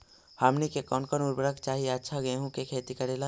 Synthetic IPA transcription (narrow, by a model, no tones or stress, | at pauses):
hamnikekɔːnkɔnuɾbəɾəkt͡ʃaːɦieətːʃʰaɡɐeɦũkekʰeːt̪ikɐɾeːla